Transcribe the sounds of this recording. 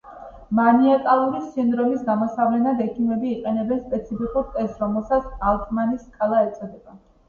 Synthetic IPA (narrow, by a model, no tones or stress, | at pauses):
maniɛt̪ʼalˠuɾisind̪ɾɔmisɡamɔsavlɛnad̪ɛkʰimɛbiːqʼɛnɛbɛnspʼɛt̪sʰipikʼuɾt̪ʼɛsɾɔmɛlˠsat̪salˠk̪ʼmaniskʰʼalˠaɛt̪sʼɔd̪ɛba